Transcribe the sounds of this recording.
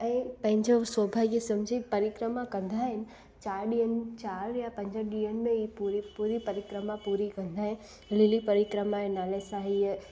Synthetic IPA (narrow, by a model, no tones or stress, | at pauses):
ɛ̃ːpɐ̃ɦɪ̃ɲd͡ʑoswɔbʱaɡjəsəmd͡ʑʱipɐɾɪkɾəmãkɐ̃nd̪ʱaɦɪnɪ̆ | t͡ɕaːɾɗiənt͡ɕaːɾjãpɐ̃ɲd͡ʑəɗijənmẽipuɾipuɾipɐɾɪkɾəmãpuɾikə̃nd̪ʱaɦɪn | lilipəɾɪkɾəmãnaːlesaɦi